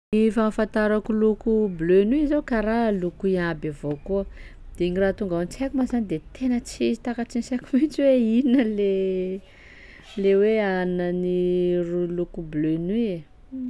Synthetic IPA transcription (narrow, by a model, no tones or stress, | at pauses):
nifamfant̪aɾakulukublønuizakaɾalukuiabavokuə | d̪̥eiɲiraːt̪uŋɡaant͡sakumazanid̪et̪ʰenət͡sizi̥t̪akat͡sinsekumit͡ʃiweiinəle | leweanənirulukublønue